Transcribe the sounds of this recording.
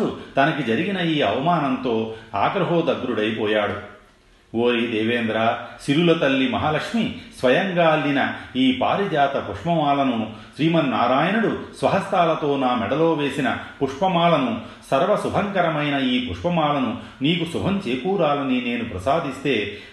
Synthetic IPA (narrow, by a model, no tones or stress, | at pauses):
ut̪ɐnɐɡed͡ʒɐɾiɡinɐiːɐ̰ʋɐmaːnɐnt̪oːa̰ːɡɾɐɦoːd̪ɐɡɾuɽɐjbɔːjaːɽu | oːjid̪eːʋeːnd̪ɾasiɾulɐt̪ɐlːimɐɦaːlɐkʂmisʋɐjɐŋɡaːlninɐiːpa̰ːɾid͡ʒaːt̪ɐpuʂmɐmaːlɐnɐuʃɾiːmɐnːaːɾaːjɐnɐɽusʋɐɦɐst̪aːlɐt̪oːnaːmɛɽɐloːʋeːsinɐpuʂpɐmaːlɐnu | sɐɾʋɐsubʱɐŋkɐɾɐmɐjnɐiːpuʂpɐmaːlɐnu | niːɡusubʱɐɲt͡ʃeːkuːɾaːlɐnineːnupɾɐsaːd̪ist̪eː